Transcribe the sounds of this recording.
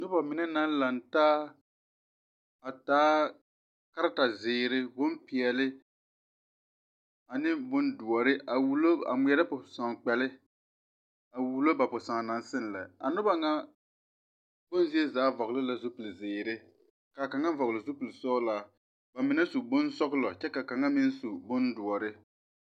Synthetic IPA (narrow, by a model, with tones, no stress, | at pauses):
nʊ˦ba˨mɪ˨nɛ˦na˦n˦la˨ntaː˦ | a˨taː˦ | ka˦ɾa˦ta˨zɪː˨ɾɪ˦bʊ˦m˦pi˨ɛ˨lɪ˦ | a˨nɪ˦bʊ˦ndu˨ɔ˨ɾɪ˦ʔa˨wu˦lo˦a̰˨mi˨ɛ˦ɾa˦pʊ˨sa˨ŋ˨k͡pɛ˨lɪ˦ | a˨wu˨lo˦ba˨pʊ˨sa˨ŋ˨na˨nsɪ˦n˨lɛ˨a̰˨nʊ˦ba˦ŋa˦ | b̥ʊ˦nzi˦ɛ˦zaː˨˦vɔ˨ɣlɪ˦la˨zu˦pi˨lzɪː˨ɾɪ˦ | ka˨ka˨ŋa˦vɔ˨ɣlɪ˨zu˦pu˨lsɔː˦la˦ | ba˨mɪ˨nɛ˦su˨bʊ˦nsɔ˦klɔ˨t͡ʃɛ˦ka˨ka˨ŋa˦mɪ˦n˦su˨bʊ˦ndʊ˨ɔ˨ɾɪ˦